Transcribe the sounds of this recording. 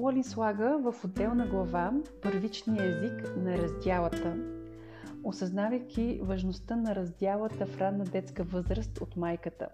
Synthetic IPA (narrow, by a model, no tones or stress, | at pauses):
lˠolʲinslˠaɡəvəfod̪ɛlˠnɐɡlˠɐvapɤɾvit͡ʃnijəɛziknɐɾɐzd̪ʲjalˠət̪ə | osɐznavəjkʲivɐʒnost̪ənɐɾɐzd̪ʲjalˠət̪əfɾad̪nːɐd̪ɛt̪skəvɤzɾəst̪ot̪majkət̪ə̰